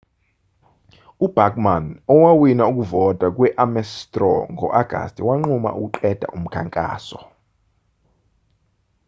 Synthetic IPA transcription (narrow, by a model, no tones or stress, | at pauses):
ub̥akʼmanɔwawinauk̬ʼuvɔtʼak̬ʼwɛʔamɛstʼrɔ̰ŋʱɔ̰ʔaɡ̥ʱa̰stʼiwaŋ͡ǃuma̰ʔuk̬ʼuǃɛd̥ʱa̰ʔum̩kʰaŋkʼa̰ːsɔ